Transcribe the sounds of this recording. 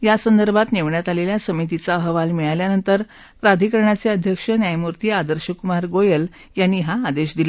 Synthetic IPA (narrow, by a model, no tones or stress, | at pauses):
jasənd̪əɾbʱat̪neʋɳjat̪aleljasəmit̪it͡saəɦəʋalmiɭaljanənt̪əɾ | pɾad̪ʱikəɾɳat͡seəd̪ʱjəkʂənjajmuɾt̪iːad̪əɾɕəkumaɾɡojəl | janːiːɦaːd̪eɕd̪ila